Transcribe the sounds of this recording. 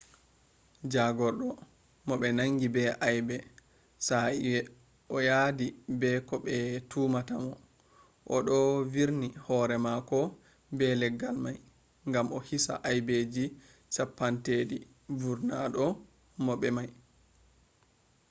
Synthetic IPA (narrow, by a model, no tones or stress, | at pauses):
d͡ʒaɡɔɾɗɔ | mɔɓɛnaŋɡibɛʔajbɛ | saiwɛ | ʔɔjadibɛkɔɓɛtʰumatamɔ | ʔɔɗɔviɾnihɔɾɛmakɔ | bɛlɛɡːalmaj | ŋɡamɔhisa̰ʔajbed͡ʒi | sapːantedi | vuɾnaɗɔ | mɔɓɛmaj